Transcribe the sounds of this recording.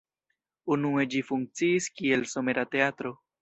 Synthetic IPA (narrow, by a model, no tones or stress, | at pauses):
unue̞d͡ʒifuŋk̚t͡siːskie̞lsome̞ɾate̞atɾo̞